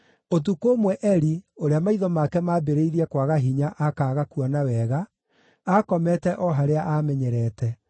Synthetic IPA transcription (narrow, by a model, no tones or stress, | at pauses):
ot̬ukomwɛʔɛɾioɾeamaiðɔmakɛmaːbeɾeiɾiɛkwaɣaɦiɲaʔakaːɣakuɔnawɛɣa | akɔmɛtɛʔɔɦaɾeaʔamɛɲɛɾɛːtɛ